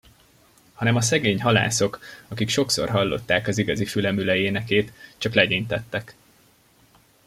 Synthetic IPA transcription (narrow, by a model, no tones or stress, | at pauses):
hɒnɛmɒsɛɡeːɲɦɒla̰ːso̞kɒkikʃo̞kso̞̰rɦɒlːo̞̰t̪ːaːkɒziɡɒzifylɛmylɛeːnɛkeːt̪t͡ʃɒklɛɟint̪ɛt̪ːɛk